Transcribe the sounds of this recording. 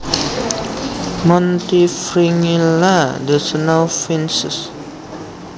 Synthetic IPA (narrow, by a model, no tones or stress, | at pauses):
mɔ̃nt̪ifɾiŋiladəsənawfɛ̃nsəs